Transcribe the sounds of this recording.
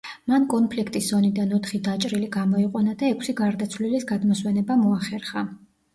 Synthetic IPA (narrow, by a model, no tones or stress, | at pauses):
mankʼɔnpʰlikʰt̪ʼisz̥ɔnid̪anɔt̪ʰχid̪at͡ʃʼɾiliɡamɔiqʼwɛnad̪aɛkʰsiɡaɾd̪at̪sʰvlilisɡad̪mɔswɛnɛbamɔaχɛɾχa